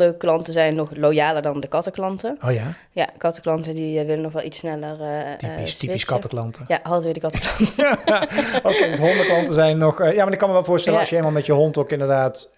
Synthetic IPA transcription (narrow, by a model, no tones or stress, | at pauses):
dəklɑntəzɛjnːɔχlojaːləɹdɑndəkɑtəklɑntəoja | ja̰kɑtəklɑntədiʋɪlənɔxʋɛlˠitsnɛlərisstiiskɑtəklɑntʰəjaɦɑtʋɪːdəkɑtə̥klɑntəaokejdsɦɔndəklɑntəzɛjnːɔxjaːmaɹɪkːɑnməʋɛlˠvʊːɹstɛləɑʃjəeːlmalˠmɛtjəɦɔntokɪndəɹdaːt